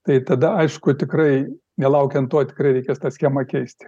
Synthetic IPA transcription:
t̪ɐɪt̪ɐd̪ɐɐɪʃkʊt̪ʲɪkrɐɪ | nʲɛlˠɐʊkʲɛnt̪t̪ːoɔt̪ʲɪ̥krɐɪɾʲɛɪkʲeːst̪ɑːsʲxʲeːmɐkʲɛɪsʲt̪ʲ

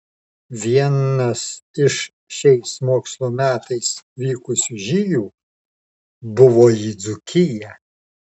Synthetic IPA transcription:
ʋʲiɛnɐsɪʃ | ʃʲɛɪsmoːkslˠuːmʲæːt̪ɐɪsʋʲiːkʊsʲʊʒʲijuː | bʊʋoːjid̪zʊkʲʰɪjɛ

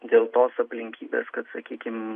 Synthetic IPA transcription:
d̪ʲeːlˠt̪oːsɐpʲlʲɪŋʲkʲiːbʲḛːskɐt̪sɐkʲiːkʲɪm

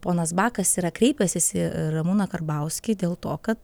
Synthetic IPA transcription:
poːnɐsbɑːkɐsiːɾɐkɾʲɛɪpʲɛsʲɪsɪɾɐmuːnɐkɐrbɐʊsʲkʲɪd̪ʲeːlˠt̪oːkɐt̪

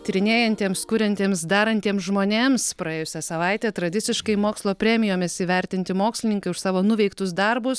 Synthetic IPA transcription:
t̪ʲɪɾʲɪnʲeːjɛnʲt̪ʲeːmskʊɾʲɛnʲt̪ʲeːmsd̪ɑːɾɐnʲt̪ʲeːmsʒmoːnʲeːmspɾɐeːjʊsʲɛsɐʋɐɪt̪ʲeːt̪ɾɐd̪ʲɪt̪sʲɪʃkɐɪmoːkslˠoːpʲɾʲæːmʲɪjoːmʲɪsiʋʲɛɾʲt̪ʲɪnʲt̪ʲɪmoːksʲlʲɪnʲɪŋkɐɪʊʃsɑːʋoːnʊʋʲɛɪkt̪ʊs̬d̪ɐɾbʊs

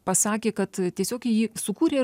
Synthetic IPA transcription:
pɐsɑːkʲeːkɐt̪t̪ʲiɛsʲoːkɪjiːsʊkuːɾʲeː

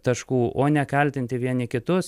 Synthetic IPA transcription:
t̪ɐʃkuːʔoːnʲɛkɐlʲt̪ʲɪnʲt̪ʲɪʋʲiɛnʲɪkʲɪt̪ʊs

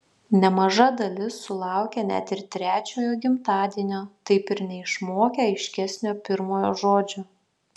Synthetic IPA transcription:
nʲɛmɐʒɐd̪ɐlʲɪsʊlˠɑˑʊkʲɛnʲæ̰t̪ɪɾt̪ʲɾʲæːt͡ʃʲoːjoːɡʲɪmt̪ɑːd̪ʲiɛnʲoːt̪ɐɪpɪɾnʲɛɪʃmoːkʲɛɐɪʃʲkʲɛsʲnʲoːpʲɪɾmoːjoːʒoːd͡ʒʲo

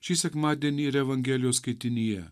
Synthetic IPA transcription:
ʃisɐkmaːd̪ʲeniɾeʋɐŋɡeːljosket̪inije

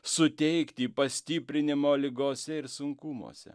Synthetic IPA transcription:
sʊt̪ʲɛɪkt̪ʲiːpɐsʲt̪ʲiːpʲɾʲɪnʲɪmoːlʲɪɡoːsʲɛɪɾsʊŋkumo̰ːsʲɛ̰

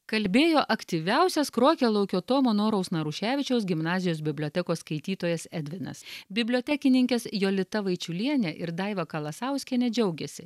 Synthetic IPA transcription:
kɐlʲbʲeːjoːʔɐkt̪ʲiʋʲæˑʊsʲɛskɾoːkʲɛlˠɐʊkʲoːt̪oːmoːnoːɾɐʊsnɐɾʊʃʲæːʋʲɪt͡ʃʲɛʊsɡʲɪmnɑːzʲɪjoːs̬bʲɪbʲlʲoːt̪ʲɛkoːsskɐɪt̪ʲiːt̪oːjɛsɛd̪ʲʋʲɪnɐ̰sbʲɪbʲlʲoːt̪ʲɛkʲɪnʲɪŋʲkʲɛsjoːlʲɪt̪ɐʋɐɪt͡ʃʲʊlʲiɛnʲɛʔɪɾd̪ɑɪʋɐkɐlˠɐsɐˑʊsʲkʲɛnʲɛd͡ʒʲɛʊɡʲɛsʲɪ

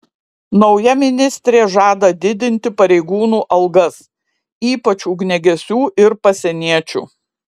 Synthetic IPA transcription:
nɔʊjɛmʲɪnʲɪsʲt̪ʲɾʲeːʒɑːd̪ɐd̪ʲɪd̪ʲɪnʲt̪ʲɪpɐɾʲɛɪɡuːnuːʔɐlˠɡɐs | iːpɐt͡ʃʲuːɡnʲɛɡʲɛsʲuːʔɪɾpɐsʲɛnʲiɛt͡ʃʲṵː

